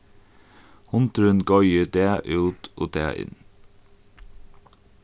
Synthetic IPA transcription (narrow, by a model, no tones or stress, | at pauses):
hʊnt̪ɾʉnɡɔʏəd̪eːʔʉːt̪ʰʔoːd̪ḛːʔɪ̰n